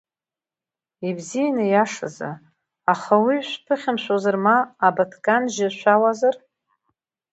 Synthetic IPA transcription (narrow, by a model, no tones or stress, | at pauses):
ibzijanɨjaʂa̰za̰ | aχawiʃʷᶣpʰɨχʲɪmʃʷozarmaːbatʰkʼanʒɪʃʷʰawazar